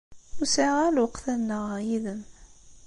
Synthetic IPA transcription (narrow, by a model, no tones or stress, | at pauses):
ʊsaʁælwəqθænːəʁjiðəm